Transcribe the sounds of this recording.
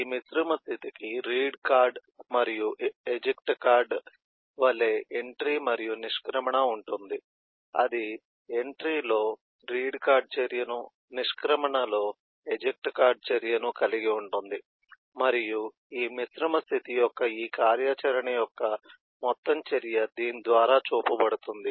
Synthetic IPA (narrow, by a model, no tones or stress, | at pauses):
iːmisɾimɐst̪ʰit̪ikiɾiːɖkaːɾɖmɐɾijuʔed͡ʒekʈkaːɾɖ | ʋɐlːeːeɳʈɾimɐɾijuniʂkɾɐmɐɳɐuɳʈund̪i | ɐ̰d̪i | eɳʈɾiːlo̞ː | ɾiːɖkaːɾɖ̚t͡ʃeɾijɐnu | niʂkɾɐmɐɳɐlo̞ː | ed͡ʒek̚ʈkaːɾɖ̚t͡ʃeɾijɐnukɐliɡiuɳʈund̪i | mɐɾiju | iːmisɾɐmɐst̪ʰit̪ijɔkːɐiːkaːɾjat͡ʃɐɾɐɳɐjɔkːɐ | mɔt̪ːɐmt͡ʃɐɾijɐd̪iːnid̪ʋaːɾaːt͡ʃuːpɐbɐɽut̪und̪i